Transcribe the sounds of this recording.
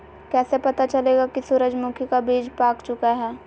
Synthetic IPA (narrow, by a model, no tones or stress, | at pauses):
kɛːsepɐt̪at͡ʃɐleːɡakisʊɾəd͡ʒmʊkʰikabiːd͡ʒpaːkt͡ʃʊkaɦɛː